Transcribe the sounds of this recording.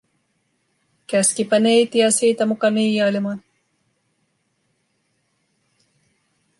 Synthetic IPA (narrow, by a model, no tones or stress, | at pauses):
kæskipænejt̪iæsiːt̪æmukɑniːjɑjlimɑn